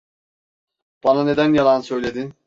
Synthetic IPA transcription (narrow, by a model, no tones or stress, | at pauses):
b̥anane̞d̪ænjalˠansø̞jlʲe̞d̪in